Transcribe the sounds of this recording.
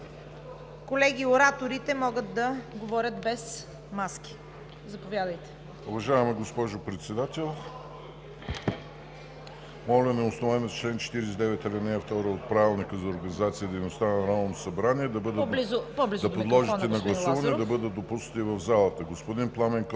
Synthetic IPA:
kolɛɡʲioɾat̪oɾit̪ɛmɔɡət̪d̪ɐɡovɔɾʲət̪bɛs | maskʲi̥ | zɐpovjad̪əjt̪ɛ̥ | ʊvɐʒaɛmɛɡospɔʒʊpɾɛt̪sɛd̪at̪ɛlˠ | mɔlʲɛnɛosnovanost͡ʃlɛnt͡ʃɛ̥t̪iɾɛsd̪ɛvɛt̪ɛlɛnɛəft̪ɔɾəot̪̚pɾavilˠnikəzɐoʊɾɡɐnizat̪siəd̪ɛjnost̪anɐɐɾamlˠnosɐbɾaniɛd̪ɐbɤd̪əliblizd̪ɐp̪pod̪lˠɔʒinɛnɐɡlˠɐsuvɐnɛd̪ɐbɤd̪ət̪̚d̪opusnət̪ivɐvzalˠət̪əɡospod̪inplˠamɛŋk

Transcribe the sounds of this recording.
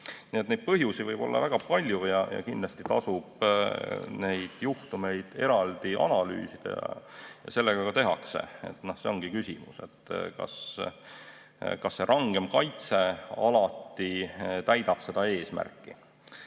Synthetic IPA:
niːet̪nejd̪̚pɤɦjusivɤjb̥o̞lːɑ̰væɡ̥ɑpɑlʲjujɑjɑ̰kind̪lɑst̪it̪ɑsub̥ | ne̞jd̪̥juht̪ume̞jd̪̥e̞ɾɑld̪̥iʔɑ̰nɑly̰ːsid̪̥ɑ̰jɑ̰jɑ̰se̞lːeɡ̥ɑkɑt̪e̞ɦɑkse̞̰ḛt̪nohse̞o̞ŋɡ̥ikysʲḭmuse̞̰t̪ːkɑ̰s | kɑsːe̞ɾʔɑŋɡ̥e̞mkɑjt̪se̞ɑlɑt̪ːit̪æjd̪̥ɑb̥se̞d̪̥ɑe̞ːsmæ̰rkˑːi

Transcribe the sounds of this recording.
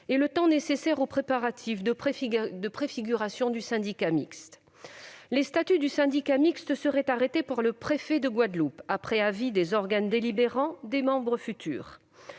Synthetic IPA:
elət̪ɑ̃nesesɛʁopχepaʁat̪ʰifd̪əd̪əpχefiɡʲyʁasjɔ̃d̪ysɛ̃d̪ikamḭkst̪ | lest̪at̪yd̪ysɛ̃d̪ikamikst̪əsəʁɛt̪aʁet̪epaʁləpχefɛd̪əɡwad̪lupapχɛavid̪ezɔʁɡand̪elibeʁɑ̃d̪emɑ̃bʁəfyt̪ʰy̰ːʁ

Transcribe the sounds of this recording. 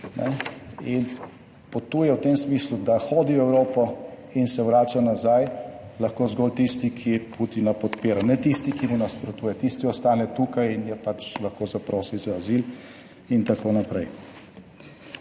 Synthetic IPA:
nɛ̰in | pɔt̪uːjɛwt̪emsmislud̪axoːd̪iwɛwɾoːpɔ | insɛwɾaːt͡ʃanazajlaxkoːzɡoːlt̪ist̪ikʰiput̪inapɔt̪peːɾanɛt̪ist̪ikimunaspɾɔt̪uːjɛt̪ist̪iɔst̪aːnɛt̪uːkajinjɛpat͡ʃlaxkoːzapɾoːsizaːzil | int̪akoːnapɾɛ̰j

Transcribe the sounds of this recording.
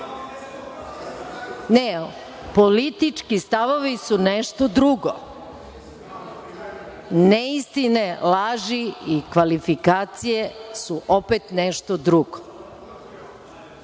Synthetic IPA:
ne | polit̪it͡ʂkist̪aʋoʋisuneʃt̪od̪ɾuɡo | neist̪inelaːʒiikʋalifikaːt̪sijesuʔopet̪neʃt̪od̪ɾuɡo

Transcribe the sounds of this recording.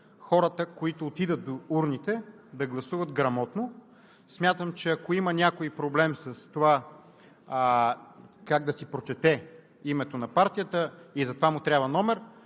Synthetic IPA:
xɔɾət̪əkoit̪ʊːt̪id̪ət̪̚d̪ouɾnit̪ɛ | d̪ɐɡlˠɐsuvɐd̪ɡɾɐmɔt̪no | smʲjat̪əmt͡ʃɛɐkoimɐnʲakoipɾoblɛmsɐst̪ova | kaɡ̚d̪ɐsipɾot͡ʃɛt̪ɛ | imɛt̪onɐpaɾt̪ijət̪əizɐt̪ovamʊt̪ɾʲjabvɐnɔmɛɾ

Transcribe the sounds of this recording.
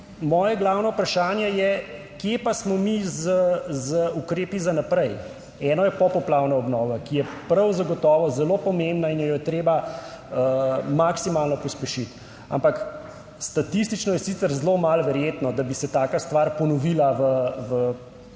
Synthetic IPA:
mɔːjɛɡlaːwnɔwpɾaʃaːnjɛjɛ | kjepasmɔmizəzəukɾeːpizanapɾɛj | ɛːnɔjɛpɔpɔplawnaɔbnɔːʋakijɛpɾɐwzaɡɔt̪ɔːʋɔzɛlopɔmembnainjɛjɔt̪ɾeːbaəmaksimaːlnɔpɔspɛʃit̪ | a̰mpak | st̪at̪is̬t̪it͡ʃnɔjɛsit̪səɾzlomalʋɛɾjeːt̪nɔd̪abisɛt̪aːkast̪ʋaɾpɔnɔʋilaʋəʋə

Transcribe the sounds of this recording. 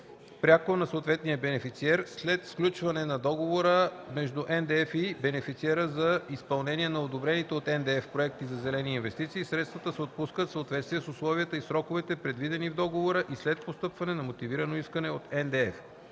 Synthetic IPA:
pɾʲjakonɐsot̪vɛt̪nijəbɛnɛfit̪siɛɾslɛt̪sklʲut͡ʃvɐnɛnɐd̪ɔɡovoɾəmɛʒd̪uʔɛnd̪ɛɛfibɛnɛfit̪siɛɾəzɐispɐlˠnɛnʲiɛnɐod̪obɾɛnit̪ɛot̪ɛnd̪ɛɛfpɾoɛk̚t̪izɐzɛlɛniːnvɛst̪it̪siːsɾɛt̪st̪vɐt̪əsɛot̪̚puskət̪fsəot̪vɛt̪st̪vijɛsʊslˠɔviət̪əisɾɔkovɛt̪ɛpɾɛd̪vid̪ɛnivd̪ɔɡovoɾəʔislɛt̪̚post̪ɤpvɐnɛnɐmot̪iviɾənoiskənɛot̪ɛnd̪ɛɛf

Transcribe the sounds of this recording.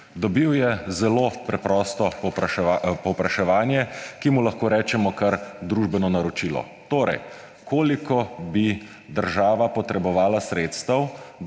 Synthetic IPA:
d̪ɔbiwjɛzɛloːpɾɛpɾɔst̪ɔɔppɔwpɾaʃɛʋaːnjɛkimulɐxkoːɾɛːt͡ʃɛmɔkaɾd̪ɾuʒbɛnɔnaɾɔt͡ʃiːlɔ̰ | t̪oːɾɛ̰j | kʰoːlikɔbi | d̪əɾʒaːʋapɔt̪ɾɛbɔʋaːlasɾeːt̪st̪aw

